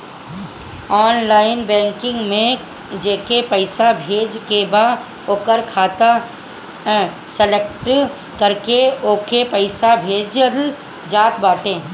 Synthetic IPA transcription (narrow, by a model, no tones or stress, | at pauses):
ɔːnlaːɪnbɛ̃ːŋkɪ̃ŋɡmẽ | d͡ʒeːkepəɪsabʱeːd͡ʒkebaː | oːkəɾkʰaːt̪a | səlekʈ | kəɾkeoːkepəɪsabʱeːd͡ʒəd̪əl | d͡ʒaːt̪baːʈẽː